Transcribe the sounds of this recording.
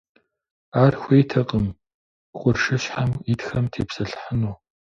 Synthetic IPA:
aːrxʷeːjtʰɐqʼəm | qʷʊrʂɨɕħamitxɐmtʰḛːpsɐɬħənuː

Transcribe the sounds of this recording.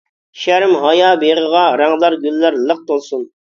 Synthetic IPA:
ʃæɾmɦɑjɑːbeʁəʁɑɾɑŋlˠɑɾɡʲylːæɾlˠəq̚t̪olˠsun

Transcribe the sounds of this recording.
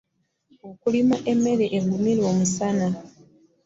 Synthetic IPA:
okulimaʔeme̞ɾeʔːɡumilwoːmusana

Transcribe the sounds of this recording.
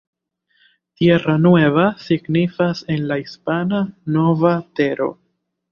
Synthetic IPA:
tjeɾanuwe̞vasiɡnifase̞nlaispanano̞vate̞ɾo̞̰

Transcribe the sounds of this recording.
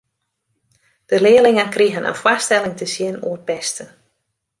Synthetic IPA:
d̥əlɪːlɪŋənkriɦənə̰nfwastɛlˠɪŋtəsjɪnṵərpɛstə

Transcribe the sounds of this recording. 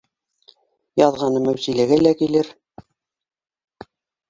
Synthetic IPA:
jɑðʁɑnɤmæwsilæɡælækilɘɾ

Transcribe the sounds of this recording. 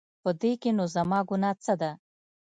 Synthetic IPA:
pəd̪ekenozamɑɡunɑt͡səd̪a

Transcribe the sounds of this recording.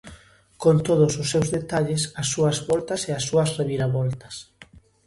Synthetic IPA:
kont̪oðʊsʊsːewzðet̪aʎɪsɐsːuɐzβɔlt̪ɐseɐsːuɐsreβiɾaβɔlt̪ɐ̥s

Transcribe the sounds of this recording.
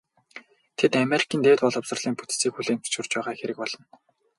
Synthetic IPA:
t̪ʰet̪ameɾi̥kʰiːnt̪eːwt̪pɔɮɞ̆psə̆rɮ̥iːŋput̪siːkxuɮeːŋpu̥t͡ɕʊr̥t͡ɕpæːʁaːxeɾɘ̆k̚pɔɮɞ̆n

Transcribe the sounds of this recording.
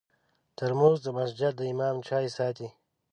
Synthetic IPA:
t̪əɾmoːzd̪əmasd͡ʒad̪̚d̪əimɑːmt͡ʃʰaːisɑːt̪i

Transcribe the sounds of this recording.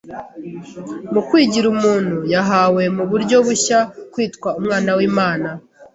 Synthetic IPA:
mukwiːɟiɾumuːn̥hujaɦawe̞muβuɾɟo̞βuçakwiːtkwaumŋaːnawiːmaːna

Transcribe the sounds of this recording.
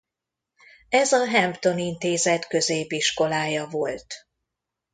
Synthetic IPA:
ɛzɒɦɛmpt̪o̞nint̪eːzɛt̪kø̞zeːpiʃko̞laːjɒvo̞lt̪

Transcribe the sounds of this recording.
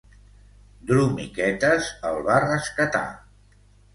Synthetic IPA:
d̪ɾumḭkɛt̪əzəlˠβarəskət̪a̰

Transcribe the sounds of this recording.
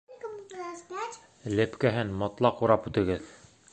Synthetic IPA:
lɘpkæɦɘnmɒt̪lˠɑquɾɑpʉt̪ɘ̆ɡɘð

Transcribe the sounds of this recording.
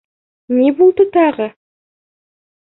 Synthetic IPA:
nebolˠd̪ət̪ɑʁə

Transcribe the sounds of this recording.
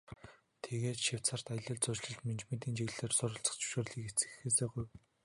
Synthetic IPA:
t̪ʰeɣeːt̪ʃɪw̥t͡sar̥t̪aj̆ɮə̆ɮt͡sʊt͡ɕɮɘ̆ɮt̪ment͡ɕment̪iːnt͡ɕiɣɮeːrsʊɾʊ̆ɬt͡sə̥̆χt͡ɕɵ̥wʃoːrɮiːket͡sɘ̥̆xeːseːɡuj

